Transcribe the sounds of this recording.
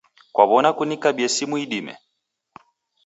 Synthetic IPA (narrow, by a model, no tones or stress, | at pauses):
kwaβɔnakunikaɓiɛsimuiɗimɛ̰